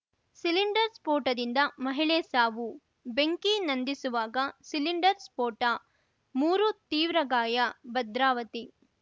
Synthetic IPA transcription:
siliɳɖɐɾspoːɾʈɐd̪ind̪ɐmɐɦiɭeːsaːʋu | beŋkinɐnd̪isuʋaːɡɐsiliɳɖɐɾspoːʈɐ | muːɾut̪iːʋɾɐɡaːjɐbɐd̪ɾaːʋɐt̪i

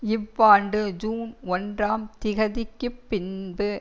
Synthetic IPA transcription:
ɪʋːaːɳɖɯd͡ʒuːnɔndraːmt̪ɪɣɐðɪkːɯpːɪnbɯ

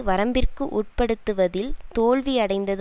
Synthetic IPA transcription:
ʋɐɾɐmbɪrkɯʔuːʈ̚pɐɽɯt̪ːɯʋɐðɪlt̪oːɭʋiɐɽɐɪnd̪ɐð

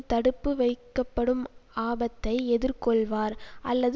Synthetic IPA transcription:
t̪ɐɽɯpːɯʋɐɪkːɐpːɐɽɯmaːbɐt̪ːɐɪɛðɪɾkɔɭʋaːɾʔɐlːɐð

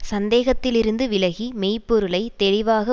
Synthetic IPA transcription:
sɐnd̪eːɣɐt̪ːɪlɪɾɯnd̪ɯʋɪlɐɣimeːpːɔɾɯlɐɪt̪ɛɭɪʋaːɣɐ

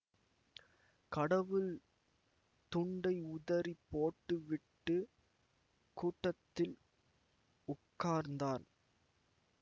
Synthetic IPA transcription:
kɐɽɐʋɯl | t̪ʊɳɖɐɪʊðɐɾipːoːʈːɯʋɪʈːɯ | kuːʈːɐt̪ːɪl | ʊkːaːɾnd̪aːn

